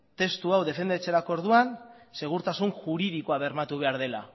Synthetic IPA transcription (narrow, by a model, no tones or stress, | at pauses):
t̪e̞st̪uawðe̞fe̞nd̪et͡se̞ɾako̞oɾðuanse̞ɣ̞uɾt̪asunʝuɾiðikoaβe̞ɾmat̪uβe̞aɾðe̞la̰